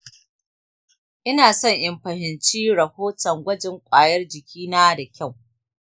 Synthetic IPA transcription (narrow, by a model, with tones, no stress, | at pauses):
ʔɪ˦naː˨sɔ˦ɲʔɐ˨mɸɐ˨hɪ˨nt͡ʃiː˦ɽɐ˨hoː˦tɔ˨ŋɡʷɐ˦d͡ʒɪ˦ŋkʷʼaː˨jɐ˦rd͡ʒɪ˨kʲiː˦naː˦da˨kʲɐ˦˨w